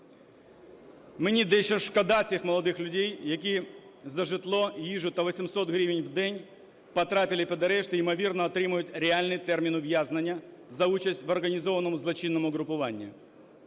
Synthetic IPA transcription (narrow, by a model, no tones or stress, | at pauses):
menʲid̪ɛʃɔʃkɐd̪ɑt͡sʲixmɔlˠɔd̪ɪxlʲʊdʲɛjjɐkʲizɐʒɪt̪lˠɔjiʒʊt̚ʲt̪ɐʋɔsʲimsɔt̪ɦɾʲiʋɪnʲwd̪ɛnʲ | pɐt̪ɾɑpʲɪlʲˠɪpɛd̪ɐɾɛʃt̪ɪimɔʋʲirnɐːt̪ɾɪmʊjʊtʲɾʲealʲnɪt̪ɛrmʲinʊʋjaznɐnʲːɐzɐut͡ʃɐsʲtʲʋɔrɣɐnʲizɔʋɐnɔmʊzlˠɔt͡ʃinːɔmʊɣɾʊpʊʋɑnʲːḭ